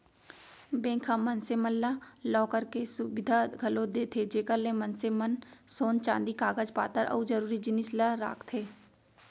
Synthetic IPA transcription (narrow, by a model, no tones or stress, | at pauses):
bɛ̃ːŋkʰãːmənseməlːaːlɔːkəɾkesʊbɪd̪ʱaɡʱəlõd̪eːt̪ʰeːd͡ʒeːkəɾlẽːmənsemənsoːnt͡ʃã̰ːnd̪iːkaːɡəd͡ʒpa̰ːt̪əɾʔə̰ud͡ʒəɾuːɾid͡ʒɪnɪslaɾa̰ːkʰt̪ʰeː